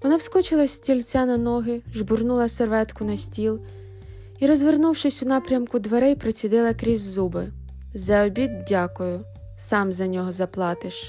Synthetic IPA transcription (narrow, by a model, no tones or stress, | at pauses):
ʋɔnɑwskɔt͡ʃɪlˠɐsʲtʲilʲt͡sʲɛnɐnɔɦɪʒbʊrnulˠɐserʋɛt̪kʊnɐsʲtʲilˠ | iɾɔzʋernuwʃɪsʲʊnɑpɾʲɐmkʊd̪ʋeɾɛjpɾɔt͡sʲid̪ɪlˠɐkɾʲizʲzubɪ | zɐɔbʲid̪̚dʲakʊjʊ | sɑmzɐnʲɔɦɔzɐplˠɑt̪ɪʃ